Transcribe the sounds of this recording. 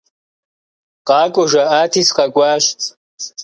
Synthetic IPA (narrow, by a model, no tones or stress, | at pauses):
qɑːkʷʼɔʒʷɐʔaːtʰiːsqɐkʷʼɑːʃt͡sʼ